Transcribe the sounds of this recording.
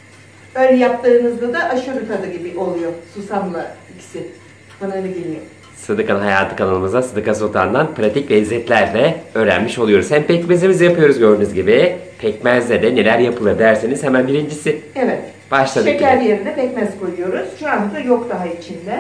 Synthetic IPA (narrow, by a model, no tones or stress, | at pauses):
ølʲjaplˠaɾɯnɯzd̪ad̪aʔaʃuɾukad̪aɟibiʔo̞lˠujosusanlˠaicʰi̥sɪ | banalaɡilʲijo | sɯd̪ɯkʰanɯnɦajaːt̪ʰɯkʰanˠɯlˠɯmɯzd̪asɯd̪ɯkʰasot̪ʰa̰nd̪anpʰɾat̪ʰicvɛizːɛt̪lʲæɾlʲɛø̞ːɾæ̰nmiʃolˠujo̞ɾuz̥hæmpʰɛcmezimizijapɯjo̞ɾuzɟø̞ɾd̪ynyzɟibi | pʰɛcmæzʲɛd̪ɛne̞lʲæɾjapʰɯlˠad̪ʲæɾsenizhɛmænbiɾind͡ʒisɪevɛt̪ | b̥aʃlˠad̪ɯecʰæaɾd̪ijeɾind̪ɛpɛcmɛz̥ko̞jujo̞ɾuz̥ʃuand̪ad̪ajokd̪aɦait͡ʃʰind̪ɛ